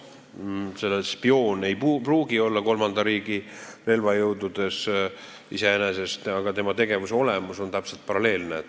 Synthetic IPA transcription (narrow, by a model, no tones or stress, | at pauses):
se̞lːespio̞ːne̞jpupruːɡ̥io̞lːɑko̞lmɑnd̪̥ɑɾiːɡ̥ire̞lvɑjɤwd̪ud̪̥e̞s | ḭse̞ene̞se̞st̪ɑɡ̥ɑt̪e̞mɑt̪e̞ɡe̞vuseo̞lemuso̞nt̪æpse̞lt̪̚pɑɾɑle̞ːlnet̪ː